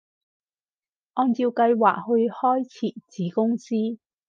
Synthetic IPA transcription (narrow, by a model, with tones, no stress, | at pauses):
ʔɔː˧nt͡siː˧wkɐ˧jwaː˨˩k̚hɵ˧ɥhɔː˥jt͡sʰiː˨˩t͡siː˨˥kʊ˥ŋsiː˥